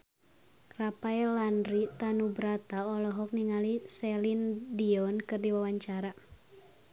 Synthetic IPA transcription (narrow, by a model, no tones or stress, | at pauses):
rapaɛlandrit̪anubɾat̪aɔlɔɦɔk̚niŋalisɛlindiɔnkɨrdiwawaɲt͡ʃaɾa